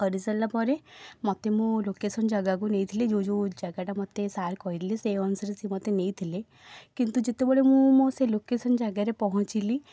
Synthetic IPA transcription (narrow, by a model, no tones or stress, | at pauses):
kɔɾisəlːapɔɾemɔt̪emũlokesənd͡ʒəɡaɡuneit̪ʰiled͡ʒod͡ʒod͡ʒaɡaʈamɔt̪ːesaɾkɔɦiɾileseɔnsəɾesimɔt̪eneit̪ʰile | kint̪ud͡ʒet̪ebɔɭemũmɔ̃selokesənd͡ʒaɡaɾepɔɦɔ̃t͡ʃili